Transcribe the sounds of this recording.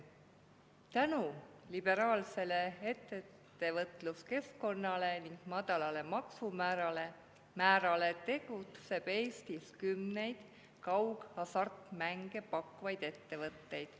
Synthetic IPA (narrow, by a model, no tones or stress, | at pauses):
t̪ænulib̥e̞ɾɑːlse̞le̞et̪ːeː | e̞vɤt̪luske̞sko̞nːɑle̞niŋɡ̥mɑd̪̥ɑlɑle̞mɑksumæɾɑle | mæːɾɑlet̪e̞ɡ̥ut̪se̞b̥e̞ːst̪iskymne̞jd̪̥ | kɑwɡ̥ɑsɑrt̪mæŋɡ̥e̞pɑkːuvɑjd̪̥e̞t̪ːe̞vɤt̪ːe̞jd̪̥